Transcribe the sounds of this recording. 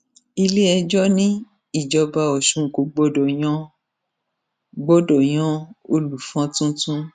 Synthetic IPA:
i˧le˦ɛ˧d͡ʒɔ˦nĩ˦ | i˦˨d͡ʒɔ˧ba˧ɔ˨ʃũ˨˦˨ko˨˦ɡ͡bɔ˦dɔ˨j̃ɔ̃˦ | ɡ͡bɔ˦dɔ˨j̃ɔ̃˦o˧lu˨fɔ̃˨˦tũ˦tũ˦

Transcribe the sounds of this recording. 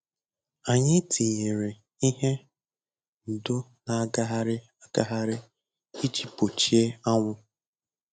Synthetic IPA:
a˨ɲɪ˦tʰi˨ɲe˨ɾe˨ | i˦ɦe˦ | n̩˨dʊ˦na˨a˦ɡa˦ɦa˦ɾɪ˦ | a˦˨ɡa˦ɦa˦ɾɪ˦ | i˦d͡ʒi˨po˨t͡ʃi˦e˦a˦ŋʷʊ˦

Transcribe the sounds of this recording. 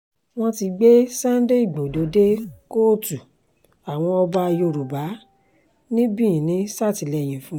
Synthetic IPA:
w̃ɔ̃˧ti˧ɡ͡be˦sã˦n˦de˦i˦˨ɡ͡bo˨do˨˦de˦ko˦˨tu˨ | a˨w̃ɔ̃˧ɔ˧ba˧jo˧˨ɾu˨ba˨˦ | nĩ˦bĩ˦˨ĩ˨nĩ˨˦sa˦˨ti˨˦lɛ˧˨j̃ĩ˨fũ˦

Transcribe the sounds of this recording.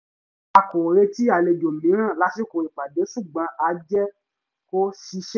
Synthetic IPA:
a˧ko˨ɾe˧ti˦a˨le˧d͡ʒo˨mĩ˨˦ɾ̃ã˦˨la˨˦si˦ko˨ɾi˨k͡pa˨de˨˦ʃu˦˨ɡ͡bã˧˦ʔa˧˦d͡ʒɛ˦ | ko˦ʃi˧˦ʃ

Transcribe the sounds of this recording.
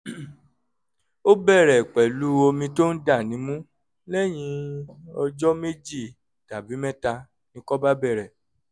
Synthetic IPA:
o˦bɛ˦˨ɾɛ˨k͡pɛ˨lu˨˦o˧mĩ˧to˦n̩˦da˦˨nĩ˨˦mũ˦ | lɛ˦˨j̃ĩ˧ɔ˧d͡ʒɔ˦me˦d͡ʒi˦˨ | ta˨bi˨˦mɛ̃˦ta˧ | nĩ˧kɔ˦ba˦bɛ˦˨ɾɛ˨

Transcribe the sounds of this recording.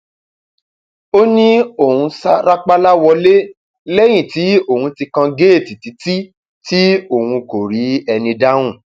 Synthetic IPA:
o˦nĩ˦o˨hũ˧sa˦ɾa˦k͡pa˦la˦wɔ˧le˦ | lɛ˦j̃ĩ˦˨ti˨˦o˦˨hũ˧ti˧kã˧ɡe˦˨ti˨ti˨˦ti˦ | ti˦o˨hũ˧ko˨ɾi˨˦ɛ˧nĩ˧da˦w̃ũ˦˨

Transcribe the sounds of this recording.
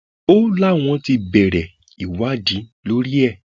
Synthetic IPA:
o˦la˦w̃ɔ̃˧ti˧bɛ˨ɾɛ˨ | i˨wa˨˦˨dĩ˨˦lo˦ɾi˦ɛ˦˨

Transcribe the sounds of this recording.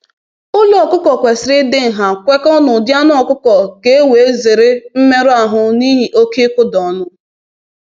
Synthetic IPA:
ʊ˦lʊ˦ɔ˨kʊ˦kɔ˨kʷe˨sɪ˨ɾɪ˦dɪ˦ŋ̩˨ɦa˨kʷe˦kɔ˦nʊ˨dja˦n˦ɔ˨kʊ˦kɔ˨ke˦e˦we˨e˦ze˨ɾɪ˦m̩˦me˦ɾʊ˦a˨ɦʊ˨ni˦ɦi˨ʔo˦ki˦kʊ˦dɔ˨nʊ˦

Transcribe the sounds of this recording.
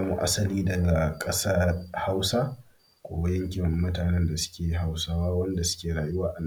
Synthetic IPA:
a˦mṵ˨ʔa̰˦sɐ˨liː˦dɐ˨ɡa˨kʼɐ˦sa˦ha˦wsa˦ | kʷo̰ː˨ba˦jɐ˦ŋkʲɪ˨mːʊ˦taː˨nɛ˦nda˨sʊ̥˦kʲeː˨ɦa˨wsaː˦waː˦wɐ˦nda˨sʊ̥˦kʲeː˨ɾaː˨jʊ˦waː˦ʔa˨n˨˦

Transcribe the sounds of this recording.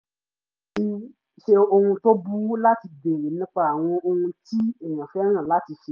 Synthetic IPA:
i˧ | ʃe˧o˧hũ˧to˦bu˦la˦ti˧be˨ɾe˨nũ˦k͡pa˦a˨w̃ɔ̃˧o˧hũ˧ti˦i˨jã˨fɛ˦ɾ̃ã˦˨la˦ti˧ʃe˧

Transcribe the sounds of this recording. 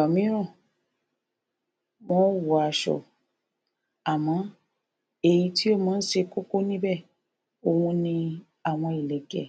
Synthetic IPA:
ɔ˨mĩ˨˦ɾ̃ũ˦˨ | mo˦wu˨a˨˧˨ʃɔ̰˨ | a˨mɔ̃˨˦ | e˧ji˧ti˦o˦˨mãː˨˦n̩˦ʃe˧ko˦ko˦nĩ˦bɛ˦˨ | o˧hũ˧nĩ˧ | a˨w̃ɔ̃˧i˨lɛ˨ɡɛ̰˨

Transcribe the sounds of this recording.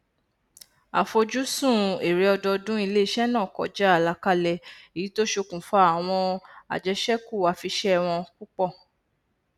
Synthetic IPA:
a̰˨fo˧d͡ʒu˦sũ˦˨e˨ɾe˨˦ɔ˧dɔ˧dũ˦i˧le˦i˦˧ʃɛ˦nãː˦˨kɔ̰˨d͡ʒa˦a˦˨la˧ka˦lɛ˧e˨ji˨˦to˦ʃo˧kũ˨fa˦a˨w̃ɔ̃˧a̰˨d͡ʒɛ˧ʃɛ˦ku˦˨wa˨˦fi˧ʃɛ˦˧w̃ɔ̃˧ku˦k͡pɔ˦˨

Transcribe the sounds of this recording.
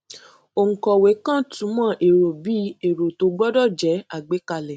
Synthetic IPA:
o˨ŋ̩˨kɔ˨we˨˦kã˦˨tũ˨˦mã˦˨ʔe˨ɾo˨bi˨˦e˨ɾo˨to˧˦ɡ͡bɔ˦dɔ˦˨d͡ʒɛ˨˦a˦˨ɡ͡be˨˦ka˧lɛ˨

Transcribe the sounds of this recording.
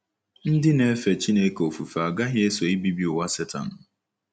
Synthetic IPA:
n̩˦dɪ˦ne˦fe˨t͡ʃi˦ne˨˦ko˨fu˨fa˨ɡa˦ɦɪ˦e˦so˨i˦bi˦bi˦ʊ˨wa˦se˦ta̰˨n̩˨

